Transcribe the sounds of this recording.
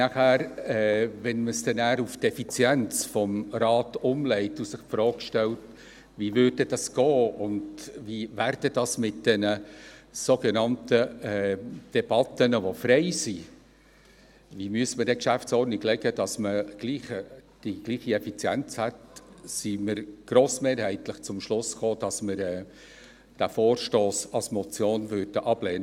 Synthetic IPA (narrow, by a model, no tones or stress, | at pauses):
næχæːɾɛʋɛnməsd̥ɛnæːɾuftɛfit͡sjɛnt͡sfɔmɾɑːtʊmlɛɪtusɪχpfɾɔːkʃtɛlt | ʋiːvʏːr̚dəd̥ɑsɡ̥ɔːʊndviːvæːɾd̥ədɑsmɪt̚d̥ɛnəsoɡenɑntəɛd̥ɛb̥ɑtːənəʋofrɛɪsi | vimyəsmədɛkʃæftsɔɾnɪklɛɡəd̥ɑsməɡ̥liːχəd̥iɡ̥liːχiɛfit͡sjæ̰nt͡shɛtsiməɾɡ̥ɾoːsmeːɾhɛɪtləχt͡sʊmʃlʊsχoːd̥ɑsməɾɛː | d̥æfoːrʃtoːsɑlsmɔt͡sjoːnvøɾd̥əʔɑb̥lɛːnə